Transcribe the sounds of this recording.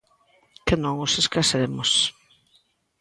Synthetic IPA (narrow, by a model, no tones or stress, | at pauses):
kɪnɔ̃ŋʊseskaseɾemʊs